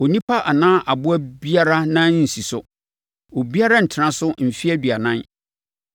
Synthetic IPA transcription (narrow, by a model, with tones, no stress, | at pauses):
o˨nĩ˦pʰa˦ʔa˨nãː˦ʔa˨bʊ˦æ˦bi˦a˦ɾa˦nã˦n˦n̩˨si˨sʊ˦ | o˨bi˦a˦ɾa˦n̩˨tʰɪ˨nã˦sʊ˦m̩˨fi˦æ˦di˨a˨nã˦n